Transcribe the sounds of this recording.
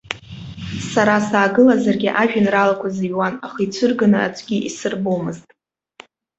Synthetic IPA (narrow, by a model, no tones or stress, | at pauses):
saɾasaːɡɨlazarɡʲiʔaʒᶣɪnralakʷʰaziɥwanaχɨjt͡sʷʰɨrɡanɨa̰t͡ʃʷʰʼɡʲiʔisɨrbomɨztʼ